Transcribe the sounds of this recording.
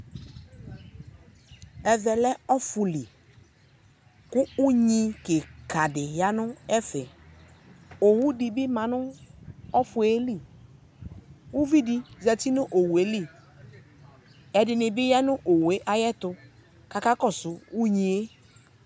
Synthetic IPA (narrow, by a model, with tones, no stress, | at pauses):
ɛ˨vɛ˨lɛ˦ɔ˦fʊ˨li˨ | kʊ˦u˦ɲĩ˦ke˨ka˨dɪ˨ja˦nʊ˦ɛ˦fɪ˨ | o˨wu˦di˨bɪ˦mã˨nʊ˦ɔ˦fʊ˨˦e˦li˦˨ | u˦vi˦di˦zɛ˨ti˦nʊ˦ʔo˨we˨˦li˦ | ɛ˨dɪ˨nɪ˨bɪ˦ja˦nʊ˦ʔo˨we˦ʔa˦jɛ˦tʊ˨ | ka˨ka˦kɔ˦˨sʊ˨u˦ɲĩ˨e˦